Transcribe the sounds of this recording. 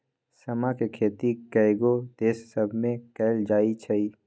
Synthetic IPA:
sɐmakekʰeːt̪ikɛɪɡod̪̥eːsːəbʱmẽkɛːld͡ʒaːit͡ʃʰɐiː

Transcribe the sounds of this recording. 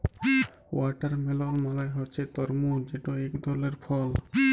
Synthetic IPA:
waʈaɾmelɔnmalajɦɔt͡ʃʰet̪ɔɾmud͡ʒeʈɔɛkd̪ʱɔleɾpʰɔl

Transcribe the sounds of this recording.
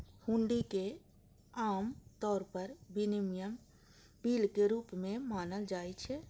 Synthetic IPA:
hũːɳɖike | aːmt̪ɔːɾpəɾbinimijəm | biːlkeɾuːpmẽmaːnəld͡ʒaːit͡ʃʰɛ

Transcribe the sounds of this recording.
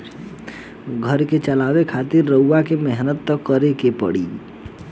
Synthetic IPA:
ɡʱəɾket͡ʃəlawekʰat̪ɪɾːəuːakemɛɦnət̪ːəkːəɾekepə̰ɽḭː

